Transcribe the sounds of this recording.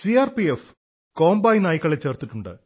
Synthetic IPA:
siaːrpief | ko̞ːmbaːjnaːjikːɐɭet͡ɕːe̞ːrt̪ːiʈːuɳɖɨ̰

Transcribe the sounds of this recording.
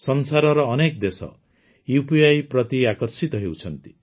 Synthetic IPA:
sɔnsaɾɔɾɔːnekd̪esɔ̰ | jupʰiajpɾɔt̪iakɔɾsit̪ɔɦewt͡ʃʰɔnt̪i̥

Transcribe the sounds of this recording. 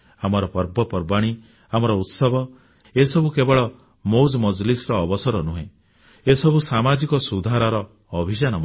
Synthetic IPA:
amɔɾɔpɔɾbɔpɔɾbaɽ̃i | amɔɾɔut̪sɔbʱɔ | esɔbʱukebɔɭɔ | mowd͡ʒmɔd͡ʒlisɔɾɔːbɔsɔɾɔnuɦẽ | esɔbʱusamad͡ʒikɔsud̪ʱaɾɔɾɔː | bʱid͡ʒanɔm

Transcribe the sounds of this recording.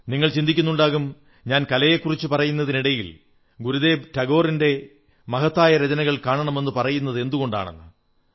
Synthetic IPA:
niŋːɐɭt͡ɕind̪ikʲːunːuɳɖaːɣum | ɲaːnkɐlɐje̞kːurit͡ɕːupɐrɐjunːɐðiniɽɐjil | ɡuɾuðe̞ːbtɐɡo̞ːrinde̞ | mɐɦɐt̪ːaːjɐɾed͡ʑɐnɐɣɐɭkaːɳɐɳɐme̞nːɨpɐrɐjunːɐðɨe̞nd̪uɣo̞ɳɖa̰ːɳḛnːɨ

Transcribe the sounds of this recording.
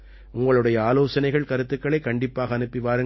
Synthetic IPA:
ʊŋɡɐɭɯɽɐjɐaːloːsɐnɐɪɣɐɭkɐɾɯt̪ːɯkːɐɭɐɪkːɐɳɖɪpːaːɣɐːnɯpːɪʋaːɾɯ

